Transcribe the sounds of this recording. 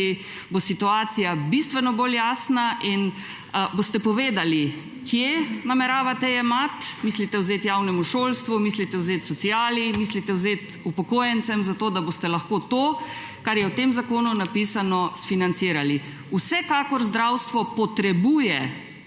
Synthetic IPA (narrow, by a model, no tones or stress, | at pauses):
i | bosit̪uaːt̪sijabist̪ʋɛnɔboːljaːsnaʔin | boːst̪ɛpɔʋeːd̪ali | kjenamɛɾaːʋat̪ɛɛmat̪mislit̪ɛwzeːt̪jawnɛmuʃoːlst̪ʋumislit̪ɛwzeːt̪sɔt̪siaːlimislit̪ɛwzeːt̪ | upɔkoːjɛnt̪sɛmzat̪oːd̪abost̪ɛlaxkoːt̪oː | kaɾjɛwt̪eːmzakoːnunapiːsanɔsfinant̪siːɾali | usɛkakɔɾzd̪ɾawst̪ʋɔpɔt̪ɾɛbuːjɛ